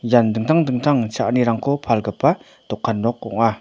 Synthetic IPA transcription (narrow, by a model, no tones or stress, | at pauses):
jand̪əŋ̥̚t̪ʰaŋnd̪əŋ̥̚t̪ʰaŋt͡ɕʰaʔniɾaŋkʰopʰalɡəlpːa | t̪okʰːannoqːo̰ŋa